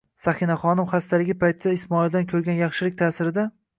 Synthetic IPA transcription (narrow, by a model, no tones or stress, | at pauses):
saxɪnaχɒnɪmχast̪ʰalɪɡʲɪpʰajt̪ʰɪd̪aɪsmɒɪld̪ankʲʰɵɾɡʲanjɑχʃɪlɪk̚ʲt̪ʰaːsɪɾɪd̪a